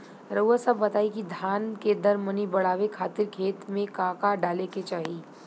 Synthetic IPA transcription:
ɾəasɐbːɐt̪aːikid̪ʱaːnked̪ɐɾmənibɐɽ̤aːʋekʰaːt̪ɪɾkʰeːt̪mẽkaːkaɖaːleket͡ʃaːɦi

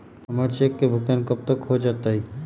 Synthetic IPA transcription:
pəməɾt͡ʃekːebʱukankəp̚t̪əkɦod͡ʒaːt̪aɦi

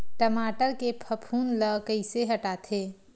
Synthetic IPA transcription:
ʈəmaːʈəɾkepʰəpʰuːnləkəɪseɦɐʈaːt̪ʰeː

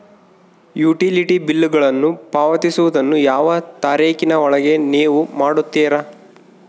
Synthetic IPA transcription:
juːʈiliʈibilːuɡɐɭɐnːupaːʋɐt̪isuʋud̪ɐnːujaːʋɐt̪aːɾiːkinɐɔɭɐɡe̞niːʋumaːɽut̪ːiːɾɐ

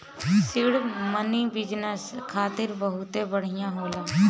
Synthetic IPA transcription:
sɪɽmənibɪd͡ʒnəskʰaːt̪ɪɾbəɦʊt̪ebəɽ̤ɪjãɦoːlaː

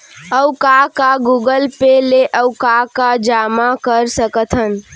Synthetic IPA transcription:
əwkakaɡuɡəlpeleʔəwkakad͡ʒamakəɾsəkət̪ʰən

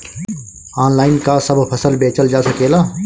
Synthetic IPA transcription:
aːnlaːɪnkasəbʱpʰɐsəlbeːt͡ʃəld͡ʒaːsəkeːlaː

